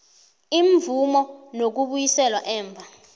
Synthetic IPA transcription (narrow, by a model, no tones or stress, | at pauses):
iɱvumɔnok̬uɓujisɛlwaʔɛːɱvʱa